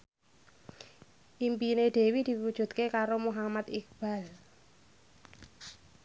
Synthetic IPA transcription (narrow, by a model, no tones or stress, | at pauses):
ʔimpineɖ̪̥e̤wid̪̥i̤wud̥ʒ̥ṳt̪̚kekaɾomuɦamat̪ik̚b̥a̤l